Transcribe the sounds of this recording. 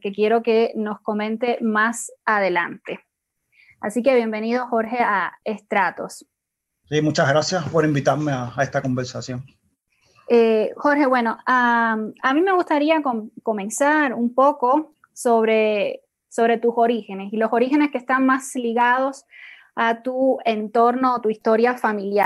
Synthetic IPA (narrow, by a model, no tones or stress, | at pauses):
ke̞kje̞ɾo̞ke̞no̞sko̞mẽ̞nt̪e̞masaðe̞la̰nt̪e̞ | asikeβje̞mbe̞nið̞o̞xo̞ɾxe̞aest̪ɾat̪o̞̰s | simut͡ʃazɣɾasjaspoɾimbit̪aɾmeaest̪ako̞mbeɾsasjo̞ŋ | exo̞ɾxe̞βwe̞no̞aamĩme̞ɣust̪aɾiakoko̞mẽ̞nsaɾumpo̞ko̞ | soβɾe | soβɾe̞t̪uso̞ɾixe̞ne̞silo̞so̞ɾixe̞ne̞skest̪aŋmasliɣaðo̞s | at̪uent̪o̞ɾno̞ːt̪uist̪o̞ɾjafamilja